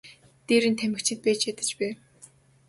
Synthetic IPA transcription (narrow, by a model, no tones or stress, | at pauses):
t̪iːɾɘ̆nt̪ʰæmɘ̆kt͡ɕʰɪ̆t̪̚pæːt͡ɕat̪ɘ̆t͡ɕpæː